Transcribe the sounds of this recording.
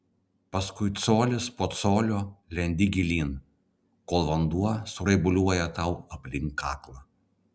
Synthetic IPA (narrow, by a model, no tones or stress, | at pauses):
pɐskʊɪt̪soːlʲɪspoːt̪soːlʲoːlʲɛnʲd̪ʲɪɡʲɪlʲiːn | koːlˠʋɐnd̪uɔsʊɾɐɪbʊlʲuɔjɛt̪ɐʊɐpʲlʲɪŋkɑ̰ːklˠɑː